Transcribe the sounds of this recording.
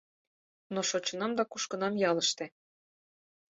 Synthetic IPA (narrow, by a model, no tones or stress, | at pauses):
noʃot͡ɕə̆nɑmd̪ɑkuʃkɤ̆nɑmjɑlə̆ʃt̪ĕ